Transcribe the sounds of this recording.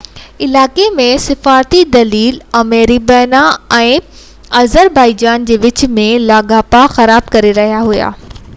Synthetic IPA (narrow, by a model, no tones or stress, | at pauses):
ɪlaːkemẽsɪfaːɾt̪id̪ɐliːlɐmeːɾibɛːnaɛ̃ː | ɐzəɾbaːɪd͡ʑaːnd͡ʑeːʋɪt͡ɕmẽlaːɡaːpaxɐɾaːb̚kɐɾeɾɐɦijaɦʊja̰ː